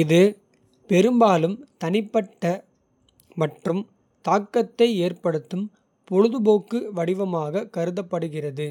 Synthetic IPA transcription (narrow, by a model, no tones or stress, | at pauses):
ɪðɯ | pɛɾɯmbaːlɯmt̪ɐnɪpːɐʈːɐ | mɐʈrɯm | t̪aːkːɐt̪ːɐɪeːrpɐɽɯt̪ːɯm | pɔɻɯðɯboːkːɯʋɐɽɪʋɐmaːɣɐkɐɾɯðɐpːɐɽɯɣɪrɐðɯ